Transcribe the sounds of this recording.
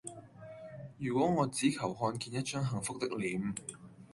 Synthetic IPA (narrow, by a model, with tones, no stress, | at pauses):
jyː˨˩kʷwɔː˨˥ŋɔː˨˧t͡siː˨˥kʰɐ˨˩wɦɔː˧nkiː˨˩njɐ˥t̚t͡ʃœː˥ŋɦɐ˨˩ŋfʊ˥k̚t̪ɪ˥k̚liː˨m